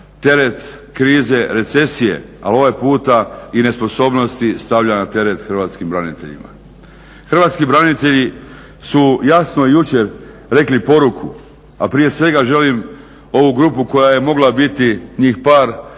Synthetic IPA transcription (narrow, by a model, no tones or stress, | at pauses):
t̪e̞ɾe̞t̪kɾiːze̞ɾe̞t̪se̞sije̞̰a̰lo̞ʋajpuːt̪aine̞spo̞so̞ːbno̞st̪ist̪aʋʎanat̪e̞ɾe̞t̪xr̩ʋaːt̪skimbɾanit̪e̞̰ʎḭma̰ | xr̩ʋaːt̪skibɾanit̪e̞ʎi | sujasno̞ijut͡ɕe̞ɾ | ɾe̞klipo̞ɾukʰu | apɾije̞sʋe̞ɡaʒe̞lim | o̞ʋuɡɾupuko̞jaje̞mo̞ɡlabit̪iɲiːxpaːɾ